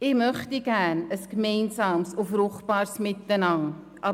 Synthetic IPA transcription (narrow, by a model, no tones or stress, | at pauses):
ɪmœχtiɡænəskmejnsɑːmsufrʊχb̥ɑːrsmɪt̪ːənɑŋ | ʔɑ